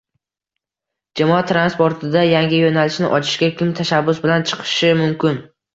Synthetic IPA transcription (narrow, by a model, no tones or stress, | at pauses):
d͡ʒamɒat̪ʰɾanspo̞ɾt̪ʰɪd̪ajaŋʲɪjonalɪʃnɪʔɒt͡ʃʰɪ̥ʃkʲakʲɪmt̪ʰaʃabːʊsbɪlant͡ʃʰɨ̥qʰɨ̥ʃɪmʊmkʲɪn